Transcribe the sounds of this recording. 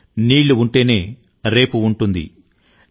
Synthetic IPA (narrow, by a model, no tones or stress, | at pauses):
niːɭːuuɳʈe̞ːne̞ː | ɾe̞ːpuːɳʈund̪ḭ